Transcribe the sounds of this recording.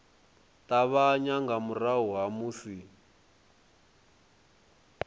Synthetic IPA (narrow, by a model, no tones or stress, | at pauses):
taβaɲaŋɡamuraɦuɦamusi